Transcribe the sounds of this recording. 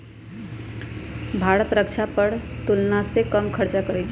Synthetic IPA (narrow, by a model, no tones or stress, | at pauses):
bʱaɾət̪ɾəkt͡ʃʰapəɾt̪ulnasekəmkʰəɾt͡ʃakəɾɛt͡ʃʰɛ